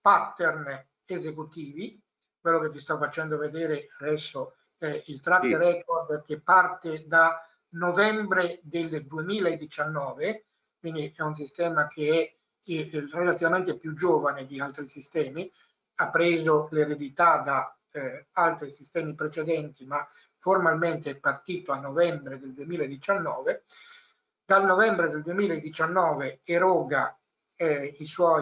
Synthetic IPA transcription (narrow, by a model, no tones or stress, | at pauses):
pat̪ːern | ezekut̪iːvi | kwelːoket̪ːist̪ɔfat͡ʃɛnd̪oved̪ɛːɾead̪ɛsːo | ɛilt̪ɾat̪ːeɾɛkord̪kepːart̪ed̪a | novɛmbɾed̪eld̪uemiːlaed̪ːit͡ʃanːɔːve | kwind̪iʔɛuns̬ist̪ɛːmakʰeɛ | relat̪ivament̪epjud͡ʒoːvaned̪ialt̪ɾisist̪ɛːmi | apːɾeːzoleɾed̪it̪ad̪a | alt̪ɾisist̪ɛːmipɾet͡ʃed̪ɛnt̪ima | formalment̪eɛpart̪iːt̪oanːovɛmbɾed̪eld̪uemiːlaed̪ːit͡ʃanːɔːve | d̪alnovɛmbɾed̪eld̪uemiːlaed̪ːit͡ʃanːɔːveeɾɔːɡa | iswɔj